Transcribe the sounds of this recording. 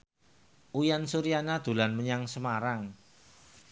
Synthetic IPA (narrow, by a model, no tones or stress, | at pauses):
ʔujansuɾianad̪̥ṳlanməɲaŋsəmaɾaŋ